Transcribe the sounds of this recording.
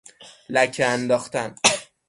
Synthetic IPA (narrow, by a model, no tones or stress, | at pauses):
læcʰeænd̪ɒːxt̪æn